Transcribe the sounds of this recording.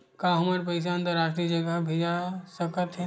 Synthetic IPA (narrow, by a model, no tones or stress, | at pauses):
kaɦəməɾp̬əɪs̬aə̃nt̪əɾaːʃʈɾid͡ʒəɡabʱed͡ʒasəkət̪ɦɛ